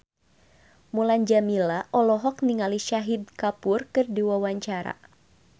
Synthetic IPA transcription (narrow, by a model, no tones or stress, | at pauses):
muland͡ʒamilaʔɔlɔɦɔk̚niŋaliʃaɦid̚kapʊrkɨrdiwawaɲt͡ʃaɾa̰